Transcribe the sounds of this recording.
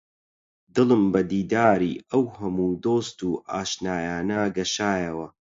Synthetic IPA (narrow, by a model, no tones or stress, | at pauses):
d̪ɨlˠɨmbɐd̪iːd̪aːɾiːɐwhɐmuːd̪oːst̪uːʔaːʃnaːjaːnɐɡɐʃaːjɐwɐ